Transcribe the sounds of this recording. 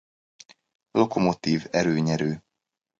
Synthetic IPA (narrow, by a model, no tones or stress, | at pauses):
lo̞ko̞mo̞t̪iːvɛɾøːɲɛɾøː